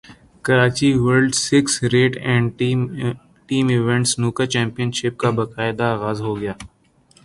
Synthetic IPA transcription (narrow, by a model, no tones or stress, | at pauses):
kɐɾaːt͡ʃiʋəɾɖsɪksɾeːʈɛ̃ːɳɖ | ʈiːmɪʋɛ̃ɳʈsnuːkat͡ʃɛ̃ːmpijənʃɪp̚kabɐkaːɪd̪aːɣaːzɦoɡɐjaː